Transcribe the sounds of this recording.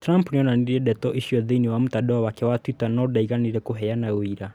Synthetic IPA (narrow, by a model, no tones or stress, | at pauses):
tɾampnɛɔnaniiɾɛɗɛtɔʔiʃiɔðiniwam̩taɗɔawakɛwatwitanɔdaiɣaniɾɛkuɦɛjanawiɾa